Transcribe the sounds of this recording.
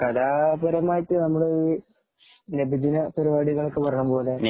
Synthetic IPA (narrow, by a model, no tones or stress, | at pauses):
kɐðaːbɐɾɐmaːjiʈːɨnɐmːuɽeiː | nebid̪inɐpɐɾibaːɽiɣɐɭokːɨpɐrɐɳumpo̞ːle